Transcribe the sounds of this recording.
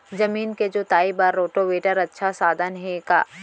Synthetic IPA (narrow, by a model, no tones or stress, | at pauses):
zɐmiːnked͡ʒoːt̪aːibɐɾːoːʈoʋeːʈəɾɐtːʃʰasaːd̪ʱənɦɛ̃ka̰ː